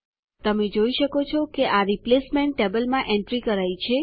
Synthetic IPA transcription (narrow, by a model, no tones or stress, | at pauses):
t̪əmed͡ʒoiʃəkot͡ʃʰɔkeʔaɾiplesmẽɳʈːebəlmãʔɛɳʈɾikəɾajt͡ʃʰe